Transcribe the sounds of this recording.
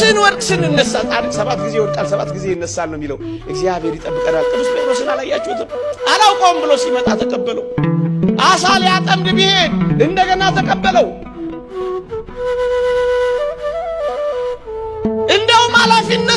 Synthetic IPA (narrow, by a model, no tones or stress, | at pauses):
ɨnwɔɾkʼsɨnɨnːəsːat̪ʼalsəβat̪ɡize̞wɔɾt͡ʃʼalsəβa̰t̪ɡize̞jɨnːəsːalːəmːiləw | ʔɨɡzijaβhe̞ɾjɪt̪ʼəbːɨkʼənalt̪ʼɨmɨsbəɾosɨnalajːat͡ʃːɛhʊt̪ɨmalawkʼowmbɨlosimət̪ʼat̪ʰəkʼəbːələwʔasaljat̪ʼəmd̪bihe̞nɨnd̪əɡənat̪ʰəkʼəbːələw | ʔɨnd̪əhumalafiɨnːə